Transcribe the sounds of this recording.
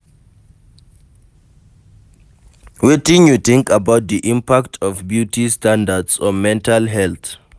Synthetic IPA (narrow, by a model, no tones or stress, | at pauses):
witĩnjutʰĩŋkabaʊt̚d̪iʔĩmpaktʰɔfbjutʰistʰãndadsɔ̃nmɛ̃ntʰalɦɛlt